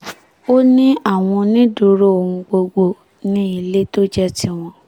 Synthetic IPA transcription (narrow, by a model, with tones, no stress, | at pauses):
o˦nĩ˦a˦˨w̃ɔ̃˧nĩ˦du˨˦ɾo˦o˨ũ˧ɡ͡bo˧ɡ͡bo˦˨ | nĩ˨˦i˦˨le˦to˦d͡ʒɛ˦ti˦w̃ɔ̃˧